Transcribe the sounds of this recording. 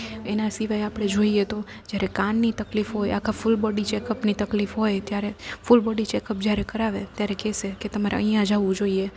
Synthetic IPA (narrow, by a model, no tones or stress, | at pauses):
enasiʋajapɽ̃ed͡ʒoiet̪o | d͡ʒjaɾekanːit̪əklifɦoja̰kʰafʊlbɔɖit͡ʃɛkəpnit̪əklifɦojt̪jaɾefʊlbɔɖit͡ʃɛkəp̚d͡ʒjaɾekəɾaʋet̪jaɾekɛseket̪əmaɾeə̰ijãd͡ʒaʋũd͡ʒoie